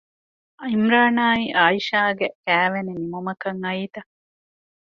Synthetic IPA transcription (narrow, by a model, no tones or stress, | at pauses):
ɐimɾaːnaːiʔaːiʃaːɡekæːʋeninimumɐkɐŋɐiːt̪ɐ